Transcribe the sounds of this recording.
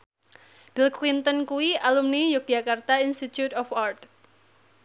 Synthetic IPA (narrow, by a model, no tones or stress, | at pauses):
b̥ilklint̪ənkuwiʔalumnijok̚d͡ʒakart̪ainst̪it̪jut̪ɔfart̪